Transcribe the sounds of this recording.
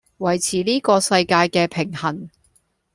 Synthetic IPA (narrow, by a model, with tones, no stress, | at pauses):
wɐ˨˩jt͡sʰiː˨˩liː˥kɔː˧sɐ˧jkaː˧jkɛː˧pʰɪ˨˩ŋhɐ˨˩n